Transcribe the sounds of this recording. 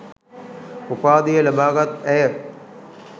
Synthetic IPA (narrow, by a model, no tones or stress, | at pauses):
upaːd̪ijələbaːɡat̪ɛjə